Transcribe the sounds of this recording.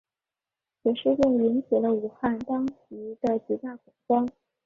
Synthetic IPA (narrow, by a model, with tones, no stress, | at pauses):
jɛ˨˩ʂɻ̩˥˧jʊ˥˩ŋli˧˥nɕɛ˨˩lə˦u˨˩xa˥˩nt̪ɑ˥ŋt͡ɕi˧˥d̪ə˧t͡ɕi˧˥t̪a˥˩kʊ˨˩ŋkwɑ˥ŋ